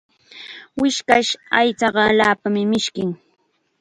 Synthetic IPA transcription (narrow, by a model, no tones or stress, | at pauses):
wɪʃkaʃajt͡sɑɢɑalaːpamɪmɪʃkɪŋ